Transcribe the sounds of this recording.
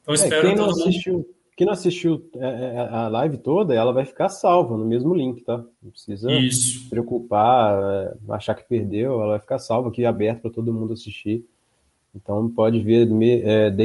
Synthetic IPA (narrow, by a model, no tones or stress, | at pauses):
ɐ̃sɛẽj̃nɐ̃w̃assist͡ʃiwkẽnɐ̃asiʃt͡ʃiwɛɐlajvɪt̪od̪ɐɛlɐvajfi̥kasawvɐnʊmezmʊlĩkɪ̥t̪ãpɾɪ̥sizɐ̥pɾeokupaɛa̰ʃakɪ̥peɾd̪ewɛlɐvajfi̥kaɾsawvɐakiabɛɾt̪ɐ̥pɾɐt̪od̪ʊmũd̪ʊasiʃt͡ʃi | ẽt̪ɐ̃w̃pɔd͡ʒɪveɾmeɛd̪